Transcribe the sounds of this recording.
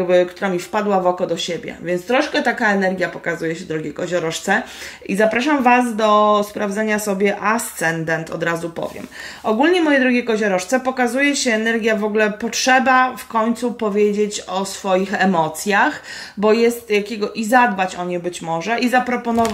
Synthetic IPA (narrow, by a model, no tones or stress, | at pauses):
bɘkt̪uɾamʲifpad̪wavɔkɔd̪ɔɕebʲjɛ̰vʲjɛntst̪ɾɔʂkɛt̪akaɛnɛɾɡʲjapɔkazujɛɕɛd̪ɾɔɡʲekɔʑɔɾɔʂt̪sɛizapɾaʂamvasd̪ɔspɾavzaɲasɔbʲjɛʔast̪sɛnd̪ɛnt̪ʰɔ̰d̪ɾazupɔ̰vʲjɛ̰mʔɔɡulɲɛmɔjɛd̪ɾɔɡʲɛkɔʑɔɾɔʂt̪sɛpɔkazujɛɕɛːnɛɾɡʲjavɔɡulɛpɔtʂɛbafkɔɲt̪supɔvʲjed͡ʑet͡ɕɔsfɔjixɛmɔt̪sʲjax | bɔjɛst̪jakʲeɡɔʔizad̪̚bat͡ɕɔɲebɘt͡ɕmɔʐɛʔizapɾɔpɔnɔv